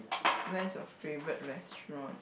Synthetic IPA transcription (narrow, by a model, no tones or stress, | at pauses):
wɛ̃sɔffevɹət̚ɹɛstɹɔ̃n